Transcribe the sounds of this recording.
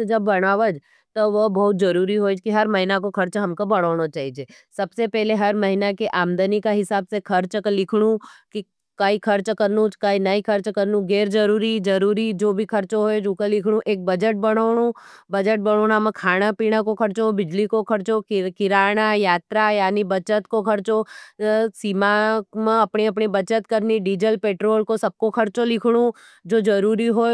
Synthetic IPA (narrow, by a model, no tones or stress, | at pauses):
d͡ʒɐbːɐɽ̃aːʋəd͡ʒ | t̪oʋɐbɐɦʊt̪̚d͡ʒɐɾuːɾiɦoːd͡ʒkiɦɐɾmɐɦɪnakoxʰɐɾt͡ʃɦɐmkobɐɽ̃oːɽ̃ot͡ʃaːɦid͡ʒe | sɐbsepɛɦleɦɐɾmɐɦɪnakeʔaːmd̪ənikaɦɪsaːbsekʰɐɾt͡ʃklɪkʰɽ̃uki | kaikʰɐɾt͡ʃkɐɾnũt͡ʃkainɐikʰɐɾt͡ʃkɐɾnũɡeːɾd͡ʒɐɾuːɾid͡ʒɐɾuːɾid͡ʒoːbʱikʰɐɾt͡ʃɦoed͡ʒukalɪkʰɽ̃ũʔeːk̚bɐd͡ʒəʈ̚bɐɽ̃oːɳ̃ubɐd͡ʒəʈ̚bəɽ̃oːnamə̃kʰaːɽ̃apiːɽ̃akokʰɐɾt͡ʃobɪd͡ʒlikokʰɐɾt͡ʃokɪɾaːɽ̃ajaːt̪ɾajaːnibɐt͡ʃət̪kokʰɐɾt͡ʃo | siːmamẽɐpɳiɐpɳibɐt͡ʃət̪kəɾniɖiːd͡ʒəlpeːʈɾoːlkosɐb̚kokʰɐɾt͡ʃolɪkʰɽ̃ũ | d͡ʒoːd͡ʒɐɾuːɾiɦo